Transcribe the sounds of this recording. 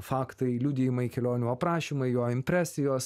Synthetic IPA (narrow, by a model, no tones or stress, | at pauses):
fɑːkt̪ɐɪlʲʊd̪ʲɪjɪmɐɪkʲɛlʲoːnʲuːɐpɾɑːʃʲiːmɐɪjoːɪmʲpʲɾʲæːsʲɪjoːs